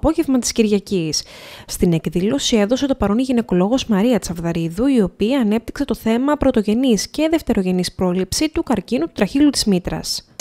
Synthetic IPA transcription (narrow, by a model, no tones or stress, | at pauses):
po̞ʝe̞vmɐt̪i̥sciɾʝɐcisːt̪ine̞kðilo̞sie̞ðo̞se̞t̪o̞pɐɾo̞niʝine̞ko̞lo̞ɣo̞zmɐɾiɐt͡sɐvðɐɾiðuio̞piɐːne̞p̚t̪i̥kse̞t̪o̞θe̞mɐpɾo̞t̪o̞ʝe̞nisce̞ðe̞ft̪e̞ɾo̞ʝe̞nispɾo̞lipsit̪ukɐɾcinut̪u̥t̪ɾɐçilut̪izmit̪ɾɐ̰s